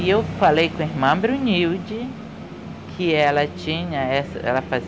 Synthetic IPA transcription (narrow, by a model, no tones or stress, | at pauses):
ewfalejkõiɦmɐ̃bɾũniwd͡ʒi | kʰɪɛlɐt͡ʃĩɲɐɛsɐ̰ɛ̰lɐfaz